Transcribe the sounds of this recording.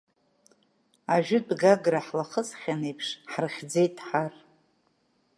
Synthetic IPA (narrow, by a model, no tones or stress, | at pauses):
aʒᶣʊdɡaɡraħlaχəsχʲanejpʰʂħrχʲd͡ze̞jtʼħar